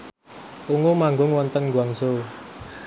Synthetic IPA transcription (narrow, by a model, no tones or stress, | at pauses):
ʔuŋomaŋɡʊŋwɔnt̪ənɡuwaŋso